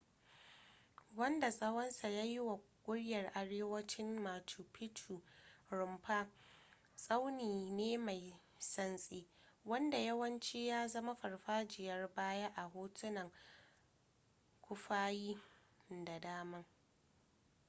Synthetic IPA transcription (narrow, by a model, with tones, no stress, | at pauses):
wɐ˦nda˨sʼɐ˦wɐ˦nsa˨jaː˦jɪ˦wa˨ | kʷʼʊ˦ɽjɐ˨rʔa˨ɽeː˦wɐ˦t͡ʃɪ˦mmaː˨tʰu˨pʰɪ˦tʰu˨ɾʊ˨mɸa˦ | sʼa˦wniː˨neː˦ma˨j | sɐ˦nsʼiː˦wɐ˦nda˨jɐ˦wɐ˦nt͡ʃi˦jaː˦zɐ˦ma˦ɸɐ˨rɸaː˦d͡ʒɪ˨jɐ˦rbaː˦ja˦ʔa˨ɦoː˦tʰʊ˦nɐ˨ŋ | kʷʰʊ˦ɸaː˦jiː˦ | da˨daː˦mɐ˦ŋ